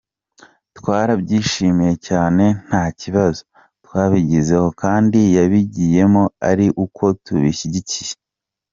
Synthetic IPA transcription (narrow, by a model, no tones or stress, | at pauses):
twaːɾabɟiːʃimije̞caːne̞n̥haciβazo | twaːβiɟize̞ho̞kaːndijaβiɟiːje̞mo̞a̰ɾiʔukʰo̞tuβiçiɟicije